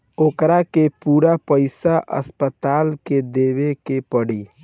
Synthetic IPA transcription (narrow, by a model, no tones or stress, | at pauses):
oːkɾakepuɾapəɪsaʔə̰spət̪aːlked̪eʋekepəɽi